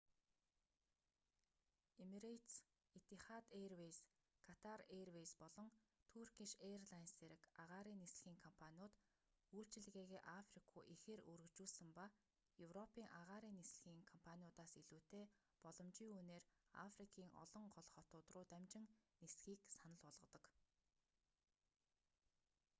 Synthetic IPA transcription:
emiɾet̪s | it̪iχat̪erwes | kʰat̪ʰarerwejspɔɮɞ̆ŋt̪ʰurkiʃerɮanseɾɘ̆kaʁaːɾiːnːesɮɘ̆ɣiːŋkʰɔmpʰanʲiʊːt̪ | uːɬt͡ɕɪ̆ɮɣeːɣeːʔafrikʰṵːʔixeːɾuɾɵ̆kt͡ɕuːɮsə̆mpa | jɵwrɔpiːŋʔaʁaːɾiːnːesɮɘ̆ɣiːŋkʰɔmpʰanʲiʊt̪aːsiɮuːt̪eː | pɔɮɞ̆mt͡ɕiːŋuːneːra̰frikʰiːŋʔɔ̰ɮɞ̆ŋɢɔɮχɔt̪ʊːt̪rʊːt̪æmt͡ɕɪ̆ŋnesɡiːksanə̆ɮɔɮʁɞ̆t̪ɞ̆k

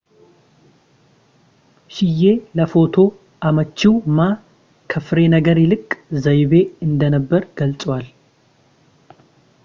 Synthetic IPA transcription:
ʃɪje̞ləfo̞t̪ʰo̞ | ʔamət͡ʃːiwma | kʰəfɾe̞nəɡəɾjɪlɨkʼzəjβe̞ɨnd̪ənəbːəɾɡ̥əlt͡sʼwal

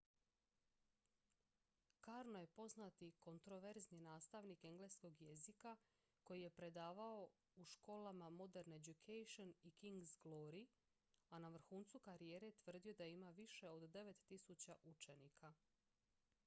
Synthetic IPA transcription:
kaɾnoje̞po̞znat̪iko̞nt̪ɾo̞ʋe̞ɾzninaːst̪aʋnike̞ŋɡlesko̞ɡje̞zika | ko̞jije̞pɾe̞d̪aːʋao̞ | uʃko̞ːlamamo̞d̪eɾned͡ʑukʰejʃonikiŋɡzɡlˠo̞ɾi | anaʋr̩xuːnt̪sukaɾije̞ːɾet̪ʋr̩d̪io̞d̪aimaʋiʃe̞o̞d̪ːe̞ʋe̞t̪ːisut͡ɕaʔut͡ʃe̞nikʰa

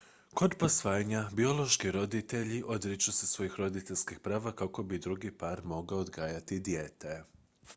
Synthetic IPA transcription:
ko̞d̪po̞sʋaːjaɲabio̞lo̞ʃkiɾo̞d̪it̪e̞ʎiʔo̞d̪ɾit͡ʃusesʋo̞jixɾo̞d̪it̪eʎʲskixpɾaːʋakako̞bid̪ɾuɡipaɾmo̞ɡaod̪ɡaːjat̪id̪jeːt̪e

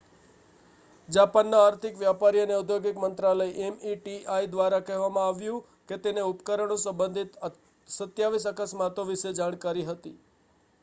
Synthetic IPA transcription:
d͡ʒapanːaːɾt̪ʰɪkʋjapaɾiəneud̪ʱjoɡɪkmənt̪ɾaləjʔemiʈiʔaid̪ʋaɾakɛɦʋamãaʋjũ | ket̪eneupkəɾəɳũsəmbənd̪ʱit̪ | sət̪jaʋisəkəsmat̪oʋiʃed͡ʒaɽ̃kaɾiɦət̪ḭ

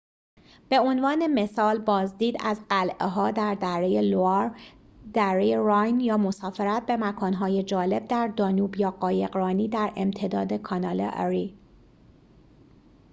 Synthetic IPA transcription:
b̥e̞o̞nvɒːne̞me̞sɒːlbɒːzd̪iːd̪æzɢælʔeɦɒːd̪æɾd̪æɾejeloɑɾ | d̪̥æɾejeɾɒjnjɒːmo̞sɒːfeɾæt̪̚be̞mækʰɒːnɦɒːje̞d͡ʒɒːle̞b̚d̪æɾd̪ɒːnuːbjɒːɢɒːjeɣɾɒːniːd̪æɾḛmt̪ʰe̞d̪ɒːd̪e̞kʰɒnɒːlḛʔɒ̰ɾi

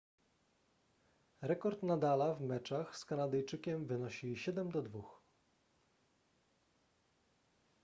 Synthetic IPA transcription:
ɾɛkɔɾt̪nad̪alavmɛt͡ʂaxskanad̪ɛjt͡ʂɘkʲɛmvɘnɔɕiɕɛd̪ɛmd̪ɔd̪vux

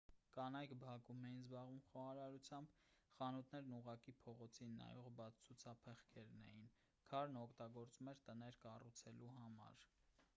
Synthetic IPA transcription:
kɑnɑjkbɑkumɛjinzbɑʁvumχɔɑɾɑɾut͡sʰjɑmb | χɑnut̪nɛɾnuʁɑkipʰɔʁɔt͡sʰinːɑ̰jɔʁbɑt͡sʰt͡sʰut͡sʰɑpʰɛχkʰɛɾnɛ̰jin | kʰɑɾnɔkʰt̪ɑɡɔɾt͡sumɛɾt̪ənɛɾkɑrut͡sʰɛluɦɑmɑ̰ɾ

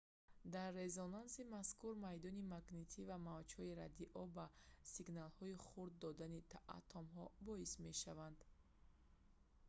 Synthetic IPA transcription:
d̪aɾːe̞zɔnansimaskuɾmajd̪ɔnimaɡnet̪ʰivamavd͡ʒhɔiɾad̪iʔɔbasiɡnalhɔiχuɾd̪ːɔd̪anit̪ʰaʔa̰t̪ʰɔmɦɔbɔisme̞ʃavand̪

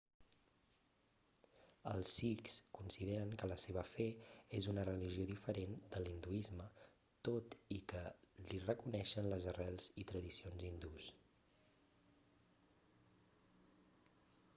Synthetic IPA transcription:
əlˠsikskunsið̞eɾəŋkələseβ̞əfɛezunərəliʒioðifəɾend̪əlind̪uizmə | t̪ot̪ikəlirəkunɛʃənləzərɛlˠz̥it̪ɾəðisionzind̪us

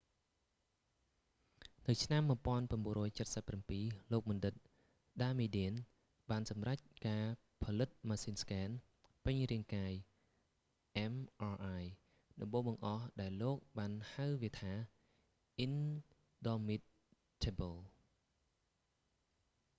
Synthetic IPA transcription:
nɨwt͡ɕʰnamːŭəpŏənpramɓuənrɔːjt͡ɕət̪̚səpːrampiːloːk̚mɑnɗɨt̪̚ | ɗaːmiɗiən | ɓaːnsɑmrac̚kaː | pʰɑlɨt̪̚maːsiːnskɛːn | pɨɲriəŋkaːj | ʔɛmʔɑːʔaj | ɗɑmɓoːɓɑŋʔɑhɗaɛlːoːk̚ɓaːnhawʋiət̪ʰaː | ʔin | ɗɑmit̪̚ | tʰebəl

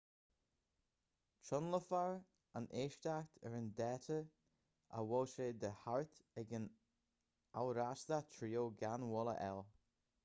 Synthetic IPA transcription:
t͡ʃɔnləfaɹ | aneːʃt̪akt̪ʰəɹənd̪ɛːt̪ʰə | ʔa̰wɔʃed̪əhaɹt̪ɛɡən | awɾasd̪at̪ʰɾiːoɡanwɔlə̰ʔɛ̰l

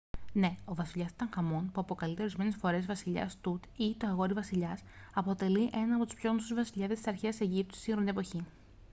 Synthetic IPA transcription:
ne̞o̞vɐsiʎɐsi̥t̪ɐ̃ŋxɐmo̞npuɐpo̞kɐlit̪e̞o̞ɾizme̞ne̞sfo̞ɾe̞zvɐsiʎɐ̰st̪ut̪it̪oɐɣo̞ɾivɐsiʎɐsɐpo̞t̪e̞liʔe̞nɐːpo̞t̪u̥spço̞ɣnosuzvɐsiʎɐðesi̥sɐɾçeɐse̞ʝip̚t̪u̥st̪isiŋxɾond̪e̞po̞çi

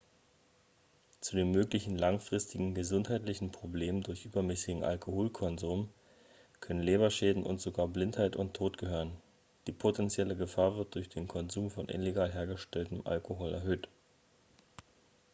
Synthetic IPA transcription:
t͡sudeːnmøːklɪçn̩laŋfʁ̥ɪstɪɡŋ̩ɡəzʊnthaɪtlɪçn̩pʁ̥obleːməndʊɐçʔyːbɐmɛsɪɡŋ̩ʔa̰lkʰohoːlkʰɔnzuːm | kʰœnənleːβɐʃɛːdn̩ʔʊ̰ntz̥oɡaːɐblɪnthaɪtʊ̰ntʰːoːtɡ̥əhøːʁən | d̥iːpʰotʰɛnt͡sjɛləɡəfaːɐvɪɐt̚d̥ʊɐçd̥eːnkʰɔnzuːmfɔnʔɪ̰nleɡaːlɦeːɐɡəʃtɛltəm̩ʔa̰lkoɦɔlɛ̰ɐɦøːt

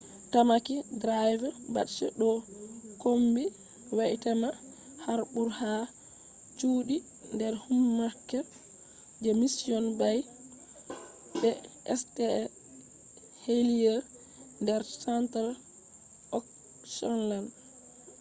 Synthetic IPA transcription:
tamakidɾajvba̰tt͡ʃɛɗɔkombi | waʔtɛma | haɾbuɾha | t͡ʃuːɗi | ndɛɾhumːakːɛ | d͡ʒɛmisiɔnbaj | bɛʔɛ̰stɛ | heliɛ | ndɛɾsɛntɛɾ | ɔk | ʃɔnland

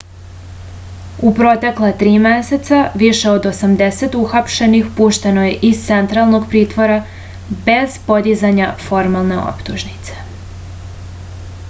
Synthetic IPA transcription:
upɾo̞t̪eklˠat̪ɾiːmese̞t̪saʋiʃe̞od̪o̞samd̪ese̞t̪uxapʃe̞nixpuːʃt̪e̞no̞je̞ʔist̪sent̪ɾalˠno̞ɡpɾiːt̪ʋo̞ɾa | be̞z̥po̞d̪izaɲafo̞ɾmalˠneo̰pt̪uʒnit̪se̥

